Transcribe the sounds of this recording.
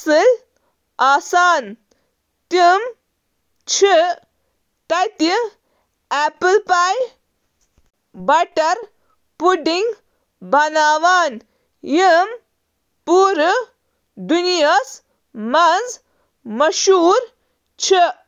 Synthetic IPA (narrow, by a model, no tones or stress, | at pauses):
sɨl | aːsaːn | t̪im | t͡ʃʰi | t̪ɐt̪i | ɛːpɨlpaːj | bɐʈɐɾ | puɖiŋɡ | bʱɐnaːʋaːn | jim | puːɾ | d̪unijɐs | mɐnz | mɐʃuːɾ | t͡ʃʰi